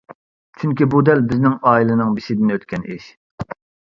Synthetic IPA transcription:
t͡ʃʰyŋkʲibud̪ɛlbɪznɪŋɑːilˠɨnɨŋbɪʃɪd̪ɪnøt̪kʲʰɛnḭʃ

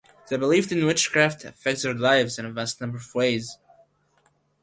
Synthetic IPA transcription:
ðɨbəlivdɨ̃nwɪt͡ʃkʰɹ̥æftʰɨfɛk̚tsðə˞laɪvzɨ̃nɨvæstⁿnʌ̃mbə˞ʌvweɪz̥

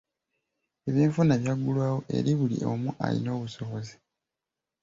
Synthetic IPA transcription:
e̞βiːɱfunaβjaɡulwaːwo̞ʔe̞̰ɾiβulḭʔo̰muʔa̰lḭno̞ːβuso̞βo̞zi̥

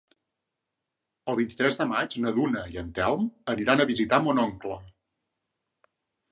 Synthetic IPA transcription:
əlˠβint̪it̪ɾɛzðəmad͡ʒnəðunəiənt̪ɛlməniɾanəβizit̪amɔnɔŋklə

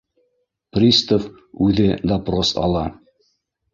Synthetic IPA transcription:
prʲist̪of | ʉðɘd̪ɐprosɑ̰lˠɑ

